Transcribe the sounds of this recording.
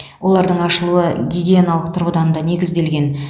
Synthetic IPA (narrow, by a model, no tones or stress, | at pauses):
wʔo̞lˠɑɾd̪əɴɑʃəlˠuəɡʲiɡʲeenalˠəq̚t̪ʰʊɾʁəd̪ɑnənd̪ɑne̞ɡʲɪzd̪e̞lɡʲe̞n